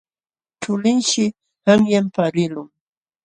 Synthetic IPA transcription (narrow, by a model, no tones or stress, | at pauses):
ʈ͡ʂʊlɪnʃɪ | haŋjampaɾɪlʊŋ